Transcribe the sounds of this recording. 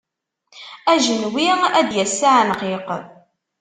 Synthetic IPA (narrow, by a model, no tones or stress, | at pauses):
æʒənwiʁæd̪jæsːaʕnqiq